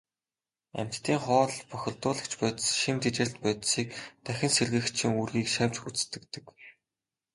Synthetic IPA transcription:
æ̰m̥ʲt͡ɕt̪iːŋχɔːɮpɔxʲɪ̆ɮt̪ʊːɮə̆kt͡ɕpæːt̪sʃimt̪et͡ɕɘ̆ɬt̪pœːt̪siːk̚t̪ʰæxʲɪ̆nserɣɘ̆xt͡ɕʰĭŋurɣiːkʃæwʲt͡ɕxut͡s̆t̪ɘ̆kt̪ɘ̆k

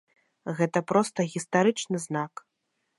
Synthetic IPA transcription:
ɣɛt̪ɐpɾɔst̪ɐɣʲist̪aɾɨt͡ʂnɨznak

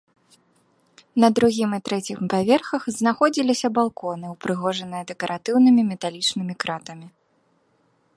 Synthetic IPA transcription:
nɐd̪ɾuɣʲimɨt̪ɾɛt͡sʲixpavʲɛrxɐxznaxɔd͡zʲilʲisʲɐbalˠkɔnɨwpɾɨɣɔʐɐnɨjɐd̪ɛkɐɾʔat̪ɨwnɨmʲimʲɛt̪alʲit͡ʂnɨmʲikɾat̪ɐmʲi

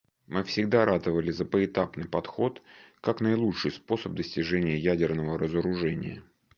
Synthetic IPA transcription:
mɨfsʲɪɡd̪aɾʔad̪əvəlʲɪzəpəɪt̪apnɨjpɐt̪xo̞t̪kaknəɪlˠutʂɨjspo̞səb̚d̪əsʲtʲɪʐɛnʲɪjəjædʲɪrnəvəɾəzəɾʊʐɛnʲɪ̰jə̰

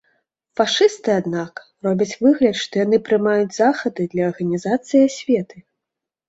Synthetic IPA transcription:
faʂɨst̪ɨad̪nak | rɔbʲɐt͡sʲvɨɣlʲɐt̪ʂt̪ɔjanɨpɾɨmajud͡zʲzaxɐd̪ɨd̪lʲɐːrɣɐnʲizat̪sɨjasʲvʲɛt̪ɨ

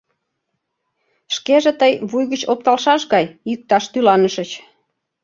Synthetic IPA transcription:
ʃkeʒet̪əjβujɣət͡ɕop̚t̪ɑlʃɑʃɣɑjyk̚t̪ɑʃt̪ylɑnəʃət͡ɕ

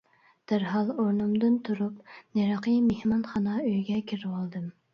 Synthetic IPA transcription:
d̪̥æɾɦɑlˠoɾnumd̪ɨnt̪ʰuɾupneɾɑqəmehmɑnχɑnɑøjɡʲɛkʲʰiɾwɑlˠd̪ɨm

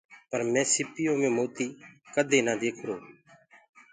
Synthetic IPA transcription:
pəɾmɛ̃ːsɪpɪjoːmẽːmoːt̪iːkəd̪ʱeːnãːd̪eːkʰɾoː

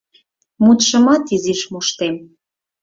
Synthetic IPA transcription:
mut̪ʃə̆mɑt̪iziʃmuʃt̪em

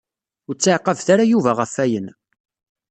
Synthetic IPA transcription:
ʊɾt͡sːaʕqəvθaɾajuvæʁəfːæjən

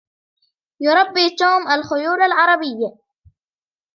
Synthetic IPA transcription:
jʊɾˤɑbːiːt̪uːmʔalxʊjuːɾalʕɑɾˤɑbɪjːa

